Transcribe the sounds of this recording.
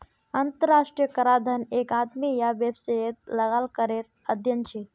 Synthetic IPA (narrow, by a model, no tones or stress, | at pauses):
ənt̪əɾasʈɾijəkəɾad̪ʱənekat̪mijabjəbsəet̪̚ləɣalkəɾeɾ | əd̪ʱjənt͡ʃʰi